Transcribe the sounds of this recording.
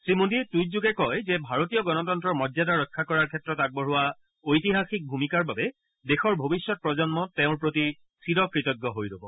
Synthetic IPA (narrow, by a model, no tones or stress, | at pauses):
sɹimondituj̚zuɡɛkɔjzɛbʱaɹotijɔɡɔnɔtɔntɹɔɹmɔdjadaɹɔkʰːakɔɹaɹkʰɛtɹɔtak̚bɔɹʊwa | ojtiɦaxik̚bʱumikaɹbabɛ | dexɔɹbʱobisːɔt̚pɹɔzɔnmɔtɛʊ̃ɹpɹoti | sʰiɾɔkɹitɔɡːɔɦojlobɔ